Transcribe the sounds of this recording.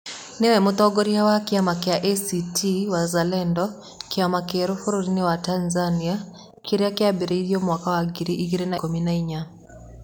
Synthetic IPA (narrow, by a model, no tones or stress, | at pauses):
nɛwɛmotɔɡoɾiawakɪamakeaʔesitʰiwazalɛndɔ | kɪamakeɾofoɾoɾinewatanzania | kiɾeakɪabeɾeiɾjomwakawaɡiɾiʔiɡiɾenakominaiɲa